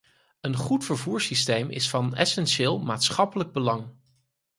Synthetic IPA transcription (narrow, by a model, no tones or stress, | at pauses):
ənχutfəɹvuːɹsistejmɪ̰sfɑnɛ̰sɛnʃɪːlˠmaːtsχɑpələɡ̚bəlɑŋ